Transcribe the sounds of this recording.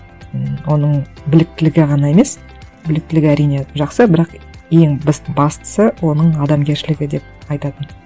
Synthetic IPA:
əwo̞nəɴ | bɪlɪk̚t̪ɪlɪɡʲɪʁɑnɑe̞me̞s | bɪlɪk̚t̪ɪlɪɡʲɪæɾijne̞ʒɑqsəbɪɾɑq | je̞ŋbɪzbɑst̪ə̥səwo̞nəɴɑd̪ɑmɡʲe̞ɾʃɪlɪɡʲɪd̪e̞p̚ɑjt̪ɑt̪ən

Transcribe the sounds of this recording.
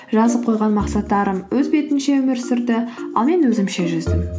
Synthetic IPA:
ʒɑzəp̚qʰo̞jʁɑnmɑqsɑt̪ːɑɾəmwɵzbe̞t̪ɪnʃe̞wɵmɪɾsʏɾd̪ɪɑ̰lˠme̞nwɵzɪmʃe̞ʒʏzd̪ɪm

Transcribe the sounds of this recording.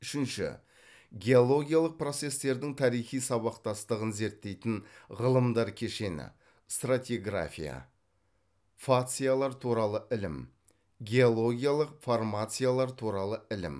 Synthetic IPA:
ʏʃɪnʃɪ̰ | ɡʲe̞olˠo̞ɡʲijalˠəq̚pro̞t̪se̞st̪e̞ɾd̪ɪŋt̪ʰɑɾijχijsɑβɑqt̪ɑst̪əʁənze̞ɾt̪ːe̞jt̪ɪnʁəlˠəmd̪ɑɾkʲʰe̞ʃe̞nɪ̰ | st̪rat̪ʲiɡra̰fʲija̰ | fat̪sɨjalˠɑɾt̪ʰuɾɑlˠəʔɪlɪ̰m | ɡʲe̞olˠo̞ɡʲijalˠəqformat̪sɨjalˠɑɾt̪ʰuɾɑlˠəɪlɪ̰m

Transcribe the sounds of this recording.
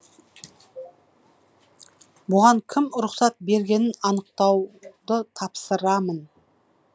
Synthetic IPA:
bʊʁɑŋkʲʰɪmɾʊqsɑt̪̚be̞ɾɡʲe̞nɪnɑnəq̚t̪ɑwd̪ət̪ʰɑpsəɾɑmən

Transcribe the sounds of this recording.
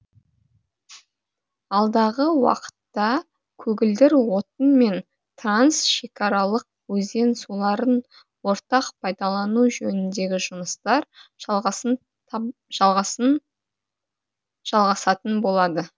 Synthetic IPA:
ɑlˠd̪ɑʁəwɑ̰qə̥t̪ːɑ | kʲʰɵɡʲɪld̪ɪɾwo̞t̪ənme̞n | t̪ransʃe̞kʰɑɾɑlˠəq̚ | wɵze̞nsulˠɑɾən | wo̞ɾt̪ɑqpʰɑjd̪ɑlˠɑnuʒɵnɪnd̪e̞ɡʲɪʒʊməst̪ɑɾ | ʒlˠʁɑ | ʒ̥ɑlˠʁɑsɑt̪ənbo̞lˠɑd̪ə

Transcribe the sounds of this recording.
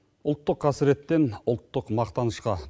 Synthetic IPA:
ʊlˠt̪ːəqʰːɑsɪɾet̪ːe̞nʊlˠt̪ːəqmɑqt̪ɑnəʃqɑ

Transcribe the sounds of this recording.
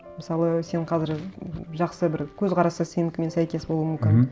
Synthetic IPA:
məsɑlˠəse̞ɴqʰɑzɪɾʒɑqsəbɪɾkʲʰɵzqʰɑɾɑsəsenɪkʲme̞nsæjkʲe̞sbolˠuəmʏmkʲɪn

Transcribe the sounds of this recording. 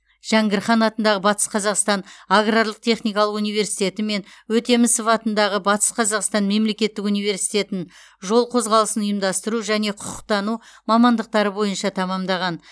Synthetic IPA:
ʒ̥æŋɡʲɪɾχɑnɑt̪ənd̪ɑʁəbɑt̪ə̥sqʰɑzɑqst̪ɑnaɡraɾlˠəq̚t̪ʰe̞χnijkɑlˠəqunijve̞ɾsi̥jt̪e̞t̪ɪme̞nwɵt̪e̞mɪsəfɑt̪ənd̪ɑʁəbɑt̪ə̥sqʰɑzɑqst̪ɑnme̞mle̞kʲe̞t̪ːɪkunijve̞ɾsi̥jt̪ʲe̞t̪ɪn | ʒo̞lˠqʰo̞zʁɑlˠəsənʊjəmd̪ɑst̪əɾuʒæne̞qʰʊqʊ̥q̚t̪ɑnumɑmɑnd̪əq̚t̪ɑɾəbo̞jənʃɑt̪ʰɑmɑmd̪ɑʁɑn

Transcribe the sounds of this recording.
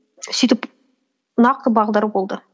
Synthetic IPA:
sɵjt̪əp | nɑq̚t̪əbɑʁlˠd̪əɾəbolˠd̪ə

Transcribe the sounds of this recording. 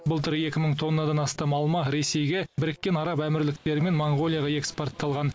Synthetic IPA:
bʊlˠt̪əɾe̞kʲɪməɴt̪ʰo̞nːɑd̪ɑnɑst̪ɑmɑlˠmɑɾe̞se̞jɡʲe̞bɪɾɪkʲːe̞nɑɾɑpæmɪɾlɪk̚t̪e̞ɾɪme̞nmoɴɡo̞lˠijɑʁɑe̞kspo̞rt̪ːɑlˠʁɑn

